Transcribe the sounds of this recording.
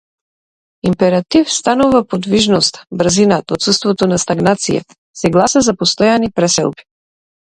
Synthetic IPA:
impɛɾat̪ifst̪anuvapod̪viʒnɔst̪ḁbɾzinat̪ot̪sust̪vɔt̪ɔnast̪aɡnat̪sija̰ | sɛɡlˠasazapɔst̪ɔjanipɾɛsɛ̰lˠbi̥

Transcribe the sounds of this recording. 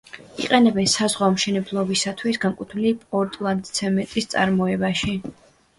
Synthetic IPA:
ḭqʼɛnɛbɛnsazʁwaɔmʃɛnɛblˠɔbisat̪ʰwisɡaŋkʼut̪ʰlipʼɔɾt̪ʼlˠand̪sʰɛmɛt̪ʼist̪sʼa̰ɾmɔɛbaʃi

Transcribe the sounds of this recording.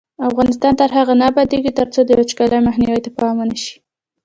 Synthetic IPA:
afɣɑnɪs̬t̪ɑnt̪əɾɦaɣanabad̪eɡit̪əɾt͡sod̪əjot͡ʃkɑlajmaxniwəjt̪apɑmanəʃi̥

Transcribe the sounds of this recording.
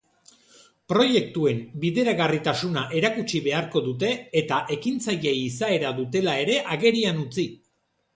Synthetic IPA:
pɾo̞je̞k̚t̪ue̞mbiðe̞ɾaɣarit̪asunaʔe̞ɾakut͡ʃiβe̞aɾko̞ðut̪e̞ːt̪aʔe̞kint͡saje̞jiːsae̞ɾaðut̪e̞lae̞ɾe̞ʔaɣe̞ɾianut͡si

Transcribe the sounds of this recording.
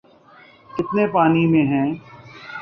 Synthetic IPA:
kɪt̪nepaːnimẽɦɛ̃ː

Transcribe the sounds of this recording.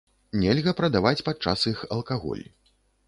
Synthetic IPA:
nʲɛlʲɣɐpɾɐd̪avat͡sʲpat̪̚t͡ʂa̰sixɐlˠkaɣɔ̰lʲ

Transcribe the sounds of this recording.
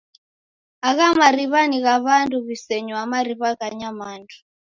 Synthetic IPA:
aɣamaɾiβaniɣaβanduβisɛɲɔamaɾiβaɣaɲamaːndu̥

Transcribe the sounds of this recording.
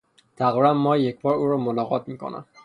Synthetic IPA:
t̪ʰæɣibæmːɒjekbɒːɾuɾɒmonɒɣɒt̪̚mikʰo̰næ̰m

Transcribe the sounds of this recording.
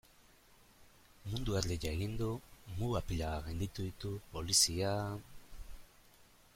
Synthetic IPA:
mund̪uaɾd̪ejaeɣind̪umuɣapiʎaaɣend̪it̪uðit̪upo̞lisia

